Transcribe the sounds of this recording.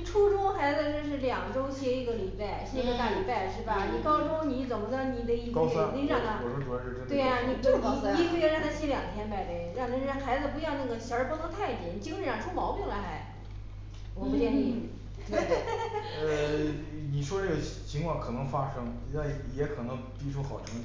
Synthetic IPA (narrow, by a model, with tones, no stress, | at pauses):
i˨ʈ͡ʂʰu˥ʈ͡ʂʊ˥xa˧˥ɪd͡zə˧ʂ̩˥˧ʂ̬ɻ̩˥˩ljɑ˨˩ŋʈ͡ʂo˥ʊɕjɛ˥i˥˩ɡə˩li˨˩pa˥˩ɪɕe˥˧t̪a˥˩li˨˩pa˥˩ɪʂɻ̩˥˩bɐ˩ni˨˩kɑ˥ʊʈ͡ʂo˥ʊni˧˥t͡sə˨˩ʊmə˦t͡ɕjɑ˥˩ni˨˩d̪ə˦i˥˩ka˥˧ni˧˥a˥˩ŋə˧wɔ˨˩o˥˩ʈ͡ʂu˨˩jɑ˥˧ʂ̩˥˩˧ə˥nt̪we˥˩ɪa˩ni˧˩˥i˧˥˧ku˥˧˥ɻa˥˧nt̪ʰa˧˥ɕjɛ˧˥ljɑ˨˩ŋət̪ʰjɛ˥npa˥˩ɪpe˥˩ɪɻɑ˥˩t̪̩˥˧˥xa˧˥ɪd͡z̩˧p̬u˧˥jɑ˥˧ʊna˥˩ɡə˩ɕjɑ˞˧˥pɔ˥ə˥t̪ʰa˥˩ɪp̪jɛ˨˩ni˨˩t͡ɕi˥ŋɻ̩˥˧˩ɻɑ˥˩ʈ͡ʂʰu˥mɑ˧˥ʊpi˥˧ŋla˧˥a˧˥ɪ | wɔ˨˩pu˥˩jɛ˥˧ni˥˩ | t̪e˥ | ə˧ | ni˨˩ʂwɔ˥ʈ͡ʂɤ˥˩ɡə˩t͡ɕʰi˧˥ŋkʰwɑ˥˩ŋkʰɤ˨˩nɤ˧˥ŋfa˥ʂɤ˥ŋ | a˥˩ɪjɛ˧˥kʰɤ˨˩nɤ˧˥ŋpi˥ʈ͡ʂʰu˥xɑ˨˩ʊʈ͡ʂʰɤ˧˥ŋ˥˩